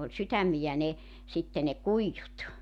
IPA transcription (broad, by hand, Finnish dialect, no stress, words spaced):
olʲ sytæmːijæ ne sitːe ne kuijːut